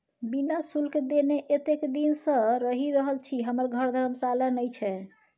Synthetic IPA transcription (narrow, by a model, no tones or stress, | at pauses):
binasulkd̪eneʔet̪ekd̪insə̃ɾəɦiɾəɦəlt͡ʃʰiɦəməɾɡʱəɾd̪ʱəɾəmsalənəjt͡ʃʰɛ